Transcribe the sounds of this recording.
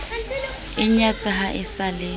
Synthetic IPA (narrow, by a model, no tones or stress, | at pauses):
ɪɲat͡sʼaɦaʔɪsaleː